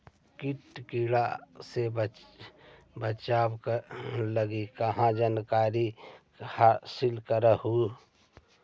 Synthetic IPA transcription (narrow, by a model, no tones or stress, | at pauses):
kiʈ̪kiɽaseb | bət͡ʃaːbkləɡikəɦãd͡ʒankaːɾi | hasɪlkəɾəhu